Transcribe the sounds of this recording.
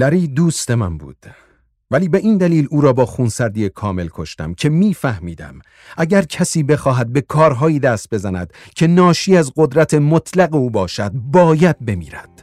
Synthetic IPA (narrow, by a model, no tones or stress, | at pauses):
læɾiːd̪uːst̪e̞mæ̰nbṵːd̪̥ | væliːbe̞ʔiːnd̪æliːluːɾɒːbɒːxuːnsæɾd̪iːjekʰɒːme̞lkʰo̞ʃt̪æ̰mcʰe̞miːfæhmiːd̪æ̰m | ʔæɟæɾcʰæsiːbe̞xɒːɦæd̪̚be̞kʰɒːɾɦɒːjiːd̪æːst̪̚be̞zænæ̰d̪̥ | cʰe̞nɒːʃiːæzɢo̞d̪ɾæt̪ʰemot̪ʰlæɣeuːbɒːʃæd̪̚bɒːjæd̪̚be̞mḭːɾæd̪̥